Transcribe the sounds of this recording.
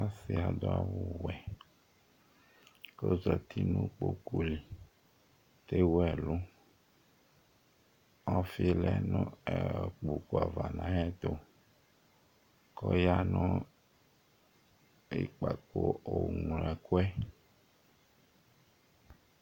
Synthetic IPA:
a˦si˨a˨d̪o˦a˦wu˦wɛ˨ | ko˦zɔ˨t̪ʰi˦nũ˦k͡po˦ku˨li˨ | t̪e˦wɛ˨lu˦ | ɔ˦fi˦lɛ˦nɔ̃˦ɛ˨k͡pu˨ku˨a˨va˨nã˨˦jɛ˦t̪o˨ | kɔ˦ja˦nɔ̃˦ | i˨k͡pa˨ko˦o˨ŋ˨lɛ˨ko˦ɛ˦

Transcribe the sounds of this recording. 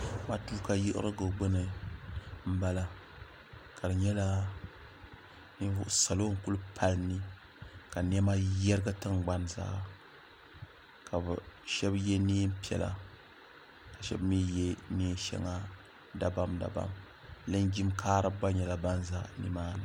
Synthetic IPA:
ma˨tuː˦ka˦jɪ˦ʔɨ̰˦ɾɨ˦ɡɨ˨ɡ͡bɨ˦nɨ˨ | m̩˦ba˦la˨ | ka˨dɨ˨ɲɛ˦la˦ | ni˦vʊ˦ʔʊ˦sa˨lo˦ŋ̩˦˨ku˦lpʰa˦lnɨ˦ | ka˨n˦ɛ˦ma˦jɛ˦ɾɨ˦ɡɨ˦tɨ˦ŋɡ͡ba˦nza̰ː˦ | ka˨bɨ˨ʃɛ˦bjɛ˦niː˦m˦pɛ̰˨la̰˨ | ka˨ʃɛ̰˦bmi˦jɛ˦niː˦ʃɛ̰˦ŋa˦ | da˨ba˦mda̰˨ba̰˦m | lɨ˦nɡi˦mkʰaː˦ɾɨ˦ba˦ɲɛ˨la˨ba˦nza̰˦nḭ˦maː˦nɨ˨

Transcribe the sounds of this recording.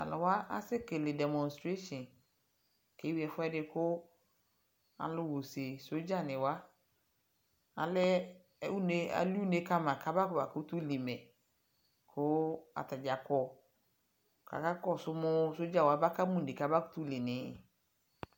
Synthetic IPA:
a̰˨lʊ˨wa˦a̰˦sɪ˦kɪ˨lɪ˨dɛ˨mɔ̃˨nstɾe˦ʃɔ̃˨n | ke˨˦wi˦˨ɛ˨fʊ˦ɛ˦dɪ˦kʊ˦ | a̰˨lʊ˦wo˨se˨so˦d͡ʒa˦˨nɪ̃˨wa˦ | a̰˨lɪ˦ | u˦ne˨˦a̰˨lu˦ne˨˦ka˦mã˨kʰa˨ba˦kba˨kʊ˦tu˦li˨mɛ˨ | kʰʊ˦a̰˨ta˨d͡ʒa˨kɔ˨ | ka̰˨ka˦kɔ˦sʊ˦mʊ˦so˦d͡ʒa˦˨wa˦ba˦ka˦mũ˦˨dɪ˨ka˨ba˦kʊ̥˦tu˦lɪ˨nɪ̃˨˦˨

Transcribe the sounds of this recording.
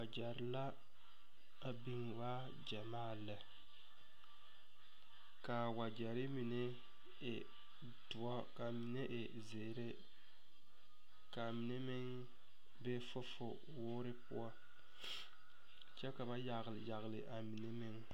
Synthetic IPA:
wa˨d͡ʒɛ˨ɾɪ˨la˦ | a˨bi˦ŋ˨wa˦ | d͡ʒa˨maː˦˨lɨ˨ | ka˨wa˨d͡ʒɛ˨ɾɪ˦mi˨ne˦ | ɪ˨ | tʊ˨ɔ˦ka˨mi˨ne˦ʔɪ˨ | ze˨ɾe˦ | ka˨mi˨ne˦mɪ˦ŋ | be˦fʊ˦fʊ˨ | wʊː˦ɾɪ˦pʊ˦ɔ˦ | t͡ʃɛ˦ka˨ba˦ja˨ɣlja˨ɣlɪ˨ʔa˨mi˨ne˦mɪ˦ŋ

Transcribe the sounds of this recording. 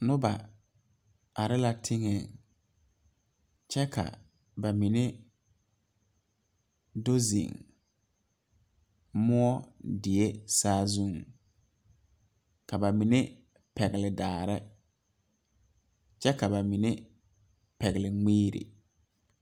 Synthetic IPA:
nʊ˦ba˨ | a˨ɾɪ˦la˨tʰɪ˦ŋɛ˨ | t͡ʃɛ˦kʰa̰˨ | ba˨mi˨ne˦ | do˦zḭ˨ŋ | mʊ˦ɔ˦dɪ˨e˦saː˦zũ˦ŋ | ka˨ba˨mi˨ne˦ | pɛ˨ɣɪ˨lɪ˨daː˨ɾɪ˦ | t͡ʃɛ˦ka˨ba˨mi˨ne˦ | pɛ˨ɣɪ˨lɪ˨ŋ͡meː˦ɾḭ˨

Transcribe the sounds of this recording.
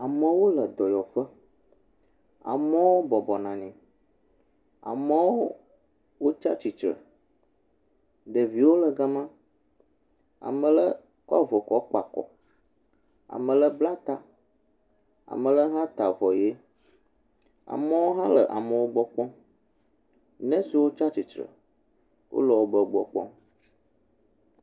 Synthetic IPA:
a˨mə̃˨wo˦lə˨d̪ɔ˨jɔ˨ɸə˦ | a̰˨mə̃˦wo˦bɔ˨bɔ˨nã˨ɲĩ˨ | a̰˨mə˦woo˦ | wo˦t͡ʃa̰˦t͡ʃi˨t͡ʃɾə̰˨ | ɖə˨vi˨wo˦lə˨ɡa˦mã˦ | a̰˨mə̃˨lə˦ | ka̰˦vo˨kɔ˦k͡pa˨kɔ̰˨ | a̰˨mə̃˨lə˦bla˦t̪a˨ | a̰˨mə̃˨lə˦ɦã˦t̪a˨vɔ˨je˦ | a̰˨mə˦wo˦ɦã˦lə˨ʔa˨mə̃˨wo˦ɡ͡bɔ˦k͡pɔ̃˦ | nɛ̃˦si˨wo˦t͡ʃa˦t͡ɕi˨t͡ʃɾə̰˨ | wʔo̰˦lɔ˨wo˦bə˦ɡ͡bɔ˨k͡pɔ̰˦

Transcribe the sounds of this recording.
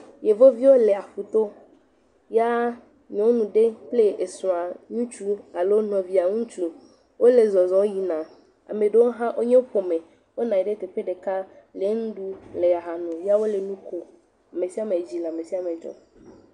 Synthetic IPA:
je˨vo˦vi˦wo˦le˨a˨ɸu˨t̪o˦ | ja˦ | ɲɔ̃˨˦wo˦nũ˨ɖe˦ple˦e˨sũ˨a˨ɲũ˦t͡ʃu˦a˨lo˦nɔ̃˨vi˨a˨ŋũ˦t͡ʃu˦ | wo˦le˨zɔ˨zɔ̃˨˦ji˨nã˨ | a̰˨me˨ɖe˦wo˦ɦã˦ʔo˦ɲe˦o˦ɸo˨mẽ˨ | wo˦nã˨i˨ɖe˦t̪e˨ɸe˦ɖe˨ka˦ | le˨ŋũ˦ɖu˦le˨a˨ɦa˨nũ˨ja˦wo˦le˨nũ˦ko˨ | a˨me˨si˦a˦mẽ˨d͡ʑi˦le˨a˨me˨si˦a˦me˨d͡ʒɔ̰˦

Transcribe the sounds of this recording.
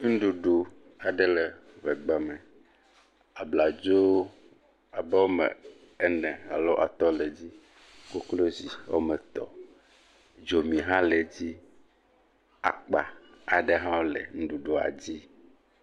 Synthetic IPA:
ŋ̩˦ɖu˨ɖo˨ | a˨ɖɛ˦lɛ˨ | vɛ˨ɡ͡ba˨mɛ˨ | a˨bla˨d͡ʒo˦ | a˨bɛ˦wo˦mɛ̰̃˨ | ɛ˦nɛ̃˨a̰˨lo˦ʔa̰˨t̪ɔ˦le˨d͡ʑi˦ | ko˦klo˦zi˨wo̰˦mɛ˨t̪ɔ̰˨ | d͡ʒo˨mĩ˨ɦã˦le˨d͡ʑi˦ | a̰˨k͡pa˨a˨ɖe˦ɦã˦wo˦lḛ˨ŋ̩˦ɖu˨ɖo˨a̰˨d͡ʑi˦

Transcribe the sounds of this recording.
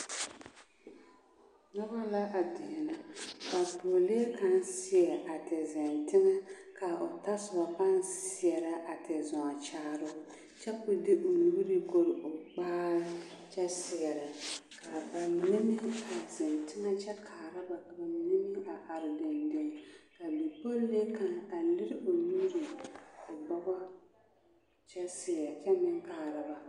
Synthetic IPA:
nɔ˦ba˦la˦ʔa˨dɪ˨na˨ba˨po˨leː˦ka˦n˦sɪ˦ɛ˨ʔa˨tɪ˨zɪ˨ntɪ˦ŋɛ˦ka˨ʊ˨ta˦sʊ˨ba˨pa˦n˦sɪ˦ɛ˨ɾa˨ʔa˨tʰɪ˨zʊ˨ŋa˨t͡ʃaː˦ɾʊ˦ | t͡ʃɛ˦kʊ˦dɪ˦ʔu˨lu˨bi˦ɾi˦ɡo˦ɾʊ˨k͡paː˦t͡ʃɛ˦sɪ˨ɛ˨ɾɪ˨ka˨ba˨nɪ˦mɪ˦a˨tɪ˨n˨tɪ˦na˦t͡ʃɛ˦kʰaː˨ɾa˦ba˨ka˨ba˨nɪ˦mɪ˦a˨ʔa˨ɾɪ˨dɪ˨ndɪ˨ŋka˨bi˨po˦le˦ka˨ŋa˨lɪ˦ɾɪ˦o˨nu˦ɾi˨ʊ˨ɡ͡ba˦ba˦ | t͡ʃɛ˦sɪ˨ɛ˨ɾt͡ʃɛ˦mɪ˦ŋkaː˨ɾa˨ba˨

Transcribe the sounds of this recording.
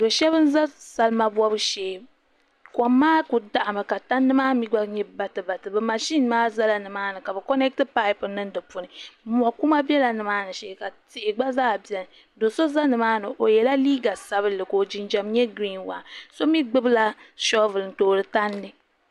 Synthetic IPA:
do˨ʃɛ˦βɨ˦n̩˦za˦sa˨lɨ˦ma˦bɔ˦bɨ˦ʃɛː˨ | kɔ˨mːaː˦ku˨da˦ʔa˨mɨ˨ka˨ta˦nːɨ˦maː˦mi˦ɡ͡ba˦ɲɛ˦ba˨tɨ˨ba˨tɨ˨bɨ˨ma˨ʃi˦nmaː˦za˦la˨nɨ˨maː˦nɨ˨ka˨bɛ˨kɔ˦nɛ˦k̚tɨ˦pa˦ɪ˦pɨ˨nɨ˦n˦dɨ˨pu˨nɨ˨mu˨a˨ku˦ma˦bɛ˦la˨nɨ˨maː˦nɨ˨ʃɛ˦˨ka˨tɪ˨ʔɪ˨ɡ͡ba˦zaː˦˨bi˨ɛ˨l | do˨so˦za˦nɨ˨maː˦nɨ˨ʔo˨jɛ˨la˦liː˦ɡa˨sa˦βɨ˦lɨ˨ko˨d͡ʒi˦nd͡ʒa˨mɲɛ˦ɡɾi˦nwa̰˨so˦mi˦ɡ͡bɨ˦bɨ˦la˦ʃɔ˦vɨ˨ln˨toː˨ɾɨ˨ta˦ndɨ˦

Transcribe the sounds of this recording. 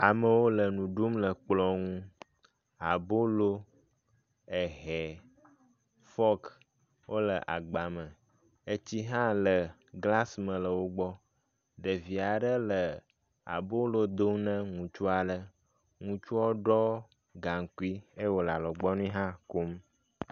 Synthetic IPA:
a˨mə˨wo˦lə˨nũ˨ɖu˦mlə˨k͡plɔ˨ŋũ˦ | a˨bo˦lo˦ | e˨ɦɛ˨ | fɔ˦k | wʔo˦lə˨ʔa̰˨ɡ͡ba˨mə̃˨ | e˦t͡ɕi˦ɦã˦lə˨ | ɡla˦smə̃˨lə˨wo˦ɡ͡bɔ˦ | ɖə˨vi˨a˨ɖə˦lə˨ | a̰˨bo˦lo˦d̪o˦ŋnə̃˦ŋũ˨t͡ʃu˦a˨ɖə˨ | ŋũ˦t͡ʃu˦ɔ˦ɖɔ˦ | ɡa˨ŋ˨ki˦e˦wo˨la˨lɔ˨ɡ͡bɔ˦nũ˦ɦã˦ko˦m

